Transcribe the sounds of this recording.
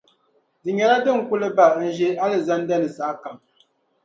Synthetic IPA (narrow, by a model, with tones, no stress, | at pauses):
di˨ɲɛ˨ɾa˦dɨ˦ŋ̩˨ku˦lɨ˦ba˦˨˦n̩˨ʒi˦a˦lɨ˨za˦n˦dɛ˦nɨ˨sa˨ʔka˨m